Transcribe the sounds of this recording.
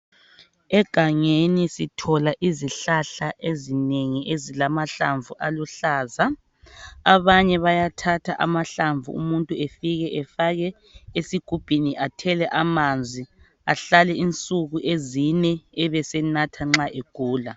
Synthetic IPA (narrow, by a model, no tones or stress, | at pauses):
ɛɡ̥ʱaŋenisitʰɔlaʔiziɬaɬaʔezineŋiʔezilamaɬaɱvʱuʔaluɬaːza | aβaɲɛβajatʰatʰaʔamaɬaɱvṵṵmuntʼuefiɣɛʔɛfaɣɛ | esiɡ̥ʱub̥ʱiniʔatʰɛlɛʔamand͡zʱi | aɬalɛint͡sʼuɣuʔezinɛɛβɛsɛnatʰaŋ͡ǁaʔeɡ̥ʱuːla